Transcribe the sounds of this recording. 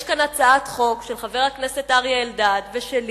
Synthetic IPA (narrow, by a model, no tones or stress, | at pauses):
ʃkanat͡saat̪χo̞kʃelχave̞ʁhakneset̪ʔaʁjaeldad̪veʃeli